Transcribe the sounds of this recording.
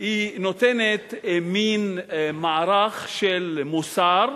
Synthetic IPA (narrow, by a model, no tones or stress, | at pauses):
inot̪enet̪minmaaɾaχʃelmusaɾ